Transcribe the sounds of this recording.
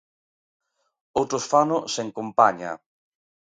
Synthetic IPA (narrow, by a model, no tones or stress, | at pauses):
owt̪ɾosfanʊseŋkompaɲa̰